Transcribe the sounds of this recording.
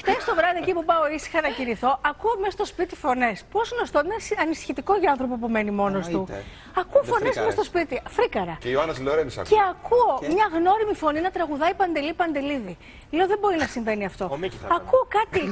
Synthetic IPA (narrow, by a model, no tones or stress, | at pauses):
ft̪est̪o̞vɾɐðiecipupɐoisi̥xɐnɐciniθo̞ʔɐkuomest̪o̞spit̪ifo̞nesposɣnost̪oinsɐnisi̥çit̪iko̞ʝɐɐnθɾo̞p̬opume̞nimo̞nost̪u | ɐkuoffo̞nezmest̪o̞spit̪ifɾikɐɾɐioɐnɐsloɾenise̞ɐkuomɲɐɣno̞ɾimifo̞ninɐt̪ɾɐɣuðɐipɐnd̪e̞lipɐnd̪e̞liði | leoðembo̞ɾinɐsiɱve̞niɐft̪o̞ɐkuokɐt̪i